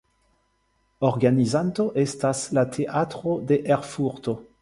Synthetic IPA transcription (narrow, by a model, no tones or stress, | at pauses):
oʁɡanizant̪oʔestaslatʰeʔatχod̪eʔeʁfuʁt̪o